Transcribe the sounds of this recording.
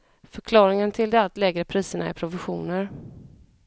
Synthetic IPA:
fœɾkʰlɑːɾɪŋənt̪ʰɪld̪ɛat̪lɛːɡɾəpʰɾiːsəɳaɪpʰɾʊvɪɧuːnəɾ

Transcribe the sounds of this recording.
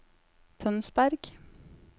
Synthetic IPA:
t̪ʰœnsbæɾɡ̥

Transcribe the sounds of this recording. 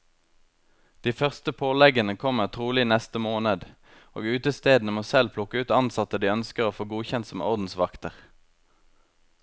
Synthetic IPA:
d̪̥iːfœʁst̪əpʰoːlɛɡənəkʰɔməʁt̪ʰʁuːlɪnɛst̪əmoːnəd̪ | o̰ːɡʉːt̪əst̪eːd̪n̩əmoːsɛlpʰlʊkəʉːt̪ɑnsɑt̪əd̪iːœnskəʁoːfoːɡuːçɛnt̪sɔmɔ̰ʁd̪n̩sʋɑkt̪əʁ

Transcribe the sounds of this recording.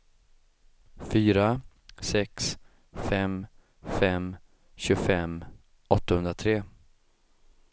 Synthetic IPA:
fyːɾa | sɛks | fɛm | fɛm | ɕɵɡfɛm | ɔt̪ːahɵnd̪ɾat̪ʰɾeː

